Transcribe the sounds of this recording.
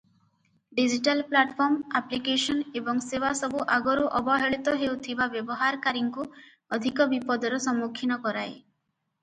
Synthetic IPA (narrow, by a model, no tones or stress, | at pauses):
ɖid͡ʒiʈalplaʈpʰɔɾmaplikesɔnebɔŋsewasɔbuʔaɡɔɾuʔɔbɔɦeɭit̪ɔɦewt̪ʰibabjɔbɔɦaɾkaɾiŋku | ɔd̪ʱikɔbipɔd̪ʱɔɾɔsɔmokʰːinɔkɔɾae